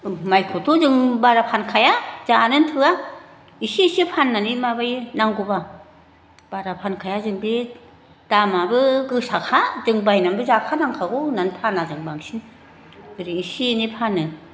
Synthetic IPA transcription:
majkʰotʰuzɯŋbaɾapʰankʰajazanɯntʰɯa | isisipʰanːanimabajnaŋɡuba | b̥aɾapʰankʰajazɯŋbi | d̥amabɯɡɯsakʰazɯŋbajnambɯzakʰanaŋkʰaɡunantʰanazɯŋbaŋsin | bɯɾiisinipʰanːɯ

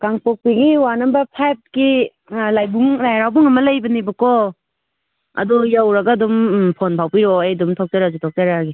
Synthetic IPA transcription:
kaŋpɔk̚piɡiwanɐmbɐpʰajp̚ki | lajbuŋlajɾawbuŋɐmɐlajbɐnibɐkɔ | ɐ̰dɔjawɾaɡadumpʰonpʰawpiɾɔajdumtʰɔk̚taɾazutʰɔk̚taɾaɡi

